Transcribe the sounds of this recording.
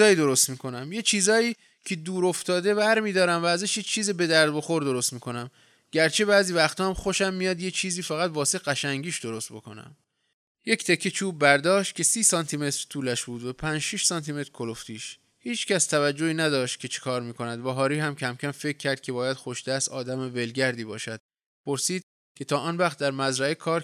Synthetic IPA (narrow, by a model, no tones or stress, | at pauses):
ɒːjiːd̪o̞ɾo̞st̪miːkʰo̞næmje̞t͡ʃʰiːzɒːiː | cʰe̞d̪uːɾo̞ft̪ɒːd̪e̞bæɾmiːd̪ɒːɾæmvæːzæʃjet͡ʃʰiːzibe̞d̪æɾd̪̚bo̞xo̞ɾd̪o̞ɾo̞st̪miːkʰo̞næm | ɟæɾt͡ʃʰebæːziːvæxt̪ʰɒːmxo̞ʃæmːijɒːd̪je̞t͡ʃʰiːziːfæɣæt̪vɒːseɣæʃæŋɟiːʃd̪o̞ɾo̞st̪̚bo̞ko̞̰næ̰m | je̞ct̪ʰekʰːet͡ʃʰuːbːæɾd̪ɒːʃt̪̚kʲcʰe̞siːsɒnt̪ʰime̞t̪ɾ̥t̪ʰuːlæʃbuːd̪væpʰænd͡ʒʃiʃsɒːnt̪ʰime̞t̪ɾkʰo̞loft̪iːʃ | hiːt͡ʃcʲæst̪ʰævæd͡ʒːo̞iːnæd̪ɒːʃt̪̚cʰe̞t͡ʃʰe̥kʰɒːɾmiːkʰo̞næd̪væɦɒːɾiːɦæmcʰæmcʰʲæmfe̞ckʰːæɾd̪̥̚kcʰe̞bɒːjæd̪̥xo̞ʃd̪̥æst̪ɒːd̪æmeve̞lɟæɾd̪iːbɒːʃæd̪̥̚ | pʰo̞ɾsiːd̪̥̚ | cʲʰe̞t̪ʰɒːʔɒːnvæxχt̪̚d̪æɾmæzɾæekʰɒːɾ